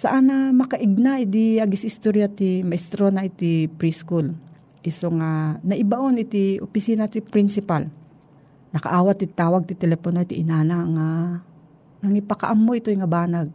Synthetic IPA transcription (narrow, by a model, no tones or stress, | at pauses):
sɐʔanamɐkɐʔɪɡ̚naʔid̪iaɡɪsɪst̪oɾjat̪imɐɪst̪ɾonaɪt̪ipɾiskul | ʔɪsoŋanɐʔɪbaʔonɪt̪ɪʔo̰pɪsiːnat̪ipɾinsɪpal | nɐkɐ̰ʔaːwat̪ːɪt̪ːaːwaɡ̚t̪ɪt̪ɛlɛponot̪ɪʔɪnaːnaŋa | nɐŋipɐkɐʔamːoʔɪt̪ojŋɐbaːnaɡ̚